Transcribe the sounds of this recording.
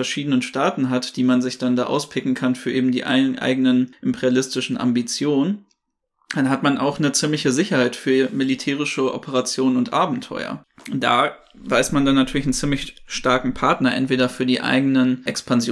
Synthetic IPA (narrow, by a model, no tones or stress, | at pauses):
ɛɐʃiːdənənʃtaːtn̩ɦatd̥iːmanzɪçd̥anda̰ːʔa̰ʊspʰɪkŋ̩kʰanfyːɐʔeːbm̩dḭːʔʔa̰ɪɡənənʔɪmpʰɛʁjalɪstɪʃn̩ʔa̰mbit͡sjoːnən | d̥anɦatmanʔa̰ʊxnət͡simlɪçəzɪçɐhaɪtfyːɐmilitʰɛːʁ̞ɪʃəʔɔ̰pʰəʁat͡sjoːnənʊntʔaːbm̩tʰɔ̰ʏɐ̰d̥a̰ː | vaɪsmandanːatʰyːɐlɪçn̩t͡siːmlɪçʃtaɐkŋ̩pʰaɐtnɐʔɛ̰ntv̥eːdɐfyːɐdiːʔa̰ɪɡənənʔɛkspʰanzj